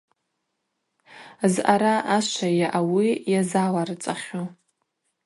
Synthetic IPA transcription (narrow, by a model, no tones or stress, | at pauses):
zʔaɾaaʃʷajaʔawijazalarɨt͡sʼaχʲo